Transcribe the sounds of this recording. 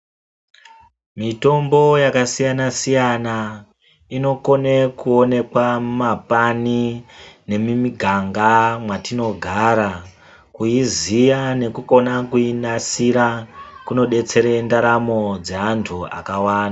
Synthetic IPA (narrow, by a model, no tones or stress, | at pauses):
mito̞mbo̞jakasijanasijana | ino̞ko̞nekuo̞ne̞kwamapanine̞mimiɡʱaŋɡamwatino̞ɡʱaːɾa | kuizijane̞kuko̞nakuinasiɾakuno̞ɗe̞t͡se̞ɾe̞ndaɾamo̞d͡ze̞antʰua̰kawaːna